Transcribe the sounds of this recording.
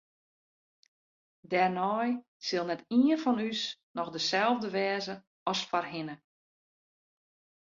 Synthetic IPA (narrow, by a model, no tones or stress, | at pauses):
dɛrnɔj | sɪlˠnɛtiənfɔnysnɔxdəsɛlˠvdəʋɛːzə | ɔsfarɦɪnə